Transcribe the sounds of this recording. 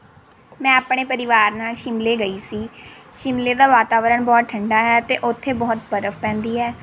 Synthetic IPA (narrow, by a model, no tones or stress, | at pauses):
mɛ̃ːapɳeːpəɾɪʋaːɾnaːlʃɪmleːɡəiːsiːʃɪmleːd̪aːʋaːt̪aːʋəɾəɳbɔːt̪̚ʈʰəɳɖaːɦɛːt̪eːʔʊt̪ʰːeːbɔːt̪̚pəɾəfʰpɛ̃ːnd̪iːɦɛː